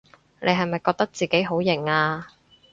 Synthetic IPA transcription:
ne˨˧jɦɐ˨jmɐ˨jkɔː˧k̚t̪ɐ˥k̚t͡siː˨ke˨˥jɦo˨˥wjɪ˨˩ŋaː˧

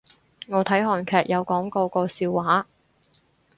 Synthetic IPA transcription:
ŋɔː˨˧t̪ʰɐ˨˥jɦɔː˨˩nkʰɛː˨k̚jʔɐ˨˧wkɔː˨˥ŋkɔː˧kɔː˧siː˧wːaː˨˥

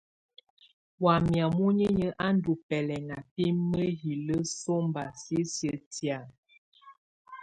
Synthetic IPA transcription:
wa˨mja˨mu˦ɲə˦ɲə˦ʔa˦n̩˦du˨pɛ˨lɛ˨ŋa˨pi˦mːə˦ɦi˨lə˦so˦mba˨si˦sə˨tja˨

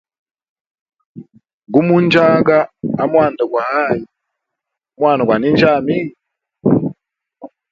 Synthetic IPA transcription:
ɡu˦mu˦nd͡ʒa˦ɡaː˦˨mwa˦˨nda˨ɡwa˨a˦˨ji˨ | mwa˨na˨ɡwa˨ni˦nd͡ʒa˦˨mi˦

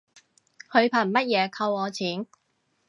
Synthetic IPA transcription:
hɵ˨˧ɥpʰa˨˩mɐ˥t̚jɛː˨˧kʰɐ˧wɔː˨˧t͡sʰiː˨˥n

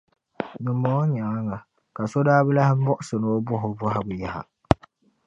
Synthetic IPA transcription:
nɨ˨mːo˦ɲa˨˦ŋa˨ | ka˨so˦daː˦bɨ˦la˦hɪ˦bɔ˦ʔʊ˦sɨ˨no˦o˦bʊ˦ɦʊ˨bɔ˦ɦɪ˦bɨ˨ja˦ha̰˨

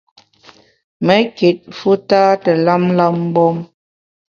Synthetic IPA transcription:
mə˨˦ke˨t̚fu˦taː˦tə˨la˦mla˦m˦bɔ˦m

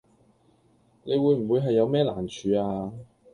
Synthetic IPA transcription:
ne˨˧jwuː˨˧jm̩˨˩wu˨˧jɦɐ˨jːɐ˨˧wmɛː˥la̰ː˨˩nt͡ʃʰyː˨˧aː˧

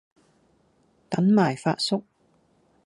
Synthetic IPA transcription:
t̪ɐ˨˥nmaː˨˩jfa̰ː˧t̚sʊ˥k̚

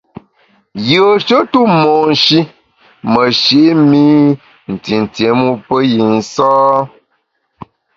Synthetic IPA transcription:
jə˨ə˨ʃə˦tu˦mɔ˨n̩˨ʃi˦ | mə˨ʃe˨˦mi˦ | n̩˨ti˨n̩˨tje˨˦mu˦pə˦ji˨n̩˦sɔː˦

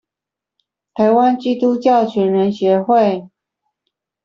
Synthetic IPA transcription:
t̪ʰa˧˥ɪwa˥nt͡ɕi˥t̪u˥t͡ɕjɑ˥˩ʊt͡ɕʰɥɛ˧˥nɻə˧˥nɕɥɛ˧˥xwe˥˩ɪ

